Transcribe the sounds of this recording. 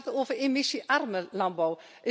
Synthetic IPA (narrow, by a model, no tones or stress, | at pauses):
toːvəremɪsiʔarməlɑnbɔw | ʔɪ